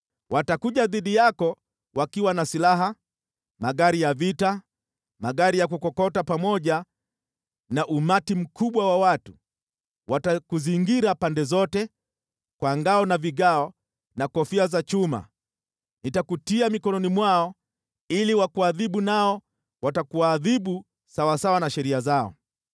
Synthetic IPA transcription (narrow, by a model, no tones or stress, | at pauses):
wʔatakuʄaðiɗijakɔ | wakiwanasilaɦa | maɠaɾijavita | maɠaɾijak̬ukɔkɔtapamɔʄa | naʔumatim̩kʰuɓwawawatu | watakuziŋɡiɾapandɛzɔtɛ | kwaŋɡaɔnaviɠaɔ | nakɔfiazat͡ʃuma̰ | nitakutiamikɔnɔnimwaɔ | iliwakuaðiɓunaɔ | watakuwaːðiɓu | sawasawanaʃɛɾiazaɔ̰